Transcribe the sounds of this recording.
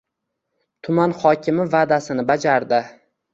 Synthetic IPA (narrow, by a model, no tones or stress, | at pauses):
t̪ʰʊmanχɒkʲɪmɪvad̪asɪnɪbad͡ʒaɾd̪ɪ